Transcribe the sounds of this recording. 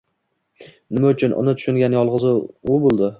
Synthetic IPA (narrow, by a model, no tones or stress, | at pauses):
nɪmaʊt͡ʃʰʊnʔʊ̰nɪt̪ʰʊ̥ʃʊŋɡʲanjɒlˠʁɨzɪʊbolˠd̪ɪ